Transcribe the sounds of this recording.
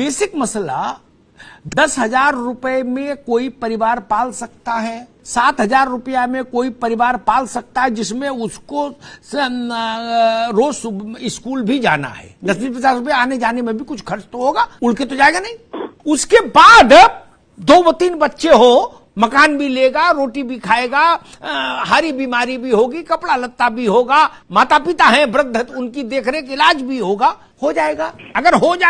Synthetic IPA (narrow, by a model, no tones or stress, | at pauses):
beːsɪkmɐsla̰ | d̪ɐsɦɐzaːɾːʊpəemẽkoːipɐɾɪʋaːɾpaːlsɐk̚t̪aɦɛː | saːt̪ɦɐzaːɾːʊpijamẽkoːipɐɾɪʋaːɾpaːlsɐk̚t̪aɦɛd͡ʒɪsmẽʊsko | ɾoːsɪskuːlbʱid͡ʒaːna̰ɦɛ̰ːnɐsbipət͡ʃaːsɾʊp̬eaːned͡ʒaːnemẽbʱikʊt͡ʃʰkʰɐɾt͡ʃt̪oɦoːɡaːʊlket̪od͡ʒaːeɡanɐɦĩʊskebaːd̪ | d̪oːbot̪iːnbɐtːʃeɦo | mɐkaːnbʱileːɡaɾoːʈibʱikʰaːeɡa | ɦaːɾibiːmaːɾibʱiɦoːɡikɐpɽalɐt̪ːabʱiɦoːɡaː | maːt̪apɪt̪aɦɛ̃bɾəd̪ʱːət̪ʊnkid̪eːkʰɾeek̬ɪlaːd͡ʒbʱiɦoːɡa | hod͡ʒaːeɡaːɐɡəɾɦod͡ʒa